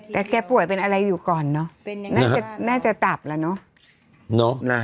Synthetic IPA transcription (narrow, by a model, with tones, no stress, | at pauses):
t̪ɛː˨˩kɛː˧pu˨˩əjpe˧nʔa˧ɾa˧jːuː˨˩kɔː˨˩nːɔ˦˥naː˥˧˦a˨˩naː˥˩t͡ɕa˨˩t̪a˨˩p̚laː˧˩nɔ˦˥ | nɔ˦˥na˧